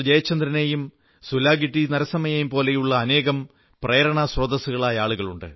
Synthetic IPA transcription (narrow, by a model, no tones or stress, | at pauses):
d͡ʑɐjɐt͡ɕːɐnd̪rɐne̞ːjum | sulaːɡiʈːinɐɾɐsɐmɐjejumpo̞ːle̞juɭːɐːne̞ːɣɐm | prɐjɐɾɐɳɐsrɐd̪ɐsuɣɐɭaːjɐaːɭuɣɐɭuɳɖɨ̰